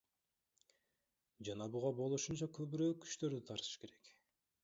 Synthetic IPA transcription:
d͡ʒɑnɑbuʁɑbo̞lˠuʃunt͡ʃɑkʰøβyɾøːkʰːy̥ʃt̪ø̞ɾd̪yt̪ʰɑɾt̪ɯ̥ʃke̞ɾe̞k

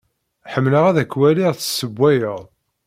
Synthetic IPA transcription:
ħəmːləʁæðækːwæliʁθsːəbːæjəʁˤ

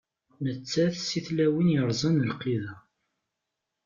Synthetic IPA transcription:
nət͡sːæθsiθlæwinjəɾˤzˤənəlqiðæ

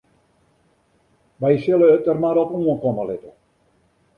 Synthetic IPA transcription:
ʋɛjsɪləːt̚ərmaɾɔpnuənkoməlɪtə

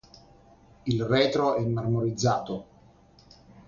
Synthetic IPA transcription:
ilrɛːt̪ɾoɛmːarmoɾid̪zːaːt̪o

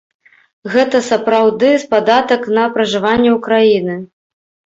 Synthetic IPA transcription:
ɣɛt̪ɐsɐpɾawd̪ɨspad̪at̪ɐknɐpɾɐʐɨvanʲːɛukɾajinɨ

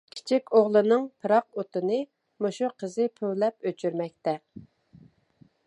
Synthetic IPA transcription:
kʲʰi̥t͡ʃʰikʲoʁlˠɨnɨŋpʰɨɾɑq̚ot̪ɨnɨ | moʃuqʰəzɨpʰøwlɛpøt͡ʃʰyɾmɛk̚ʲt̪ɛ

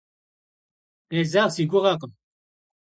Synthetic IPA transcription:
ezaʁsiɡuʁaʁ

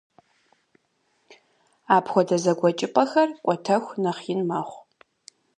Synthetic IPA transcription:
aːpʰxʷɔdɐzɐɡʷɔt͡ʃʼɪpʼɐxɐrkʷʼɔtʰɐxʷnɐχjɪnmaːχʷ

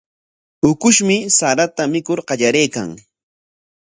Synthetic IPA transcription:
ʊkʊʃmɪsaɾat̪amɪkʊɾɢɑʎaɾejka̰ŋ

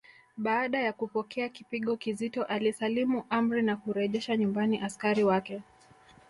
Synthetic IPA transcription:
ɓaːɗajakupɔkʰɛakipiɠɔkizitɔʔalisalimuʔam̩ɾinakuɾɛʄɛʃaɲumbaniʔaskaɾiwakɛ

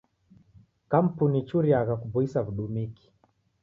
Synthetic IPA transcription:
kam̩punit͡ʃuɾiaɣakubuisavuɗumiki̥

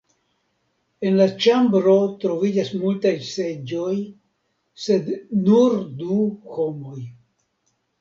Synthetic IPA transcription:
e̞nlat͡ʃambɾo̞tɾo̞vid͡ʒasmultajse̞d͡ʒo̞j | se̞dnuɾduho̞mo̞j

